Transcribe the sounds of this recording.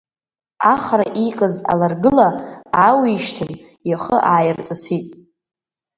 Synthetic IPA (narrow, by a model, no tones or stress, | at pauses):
aχaɾaʔikʼaza̰larɡɨlaawiʃtʰɨn | jaχəʔaːjɪrt͡sʼasitʼ